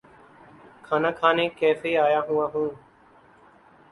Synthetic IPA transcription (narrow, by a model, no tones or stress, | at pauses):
kʰaːnãːkʰaːneːkɛːfʰeːaːjãːɦũːãːɦũː